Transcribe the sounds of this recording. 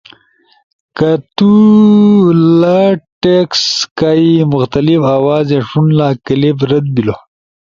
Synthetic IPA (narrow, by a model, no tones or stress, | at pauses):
kat̪u | llaʈekskaimʊxt̪ɐlifawɑːzeʂunlakəlebɾɐd̪̚bilo